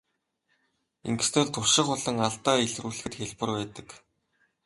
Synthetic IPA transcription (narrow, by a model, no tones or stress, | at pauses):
ḭŋɡ̆st̪ʰeːɮt̪ʰʊʃɪ̆χʊɮə̆ŋaɮt̪aːeɮruːɮ̆xɘ̆t̪xeɮpə̆rwæːt̪ə̆k